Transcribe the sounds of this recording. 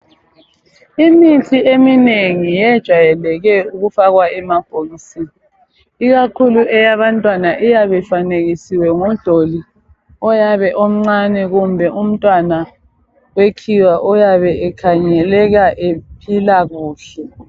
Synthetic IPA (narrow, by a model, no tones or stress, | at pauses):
imitʰiemineŋijɛd̥ʒ̥ʱwajɛlɛɣɛuɣufaɣwaɛmab̥ʱoɣisin | iɣakʰuluɛjaβantʼwanaʔijaβɛfaneɣisiwɛŋud̥ʱoli | ɔjaβɛʔom̩ŋ͡ǀanɛɣumbʱɛʔum̩tʼwana | wekʰiwaʔɔjaβɛɛkʰaɲɛlɛɣaʔepʰilaɣuːɬɛ